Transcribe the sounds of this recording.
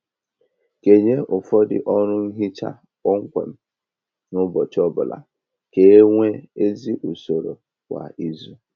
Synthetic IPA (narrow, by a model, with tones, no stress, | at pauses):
ke˨ɲe˦ʔʊ˨fɔ˦dɪ̰˨ʔɔ˦ɾʊ˦n̩˦ɦi˦t͡ʃa̰˦ | ɔ˦ŋ̩˦kʷḛ˨m̩˦ | nʊ˦bɔ˨t͡ʃɔ˦bʊ˨la̰˨ | ke˨e˦ŋʷe˦e˦zi˦ʔu˨so˨ɾo˨ | kʷa̰˨ʔi˦zu˦